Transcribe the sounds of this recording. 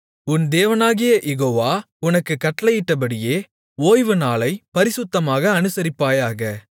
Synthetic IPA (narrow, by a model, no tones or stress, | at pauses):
ʊnd̪eːʋɐnaːɣɪjɐʔjɛɣoːʋaː | ʊnɐkːɯkːɐʈːɐlɐjɪʈːɐp̬ɐɽɪjeː | oːjʋɯnaːlɐɪpɐɾɪsʊt̪ːɐmaːɣɐːnɯsɐɾɪpːaːjaːɣɐ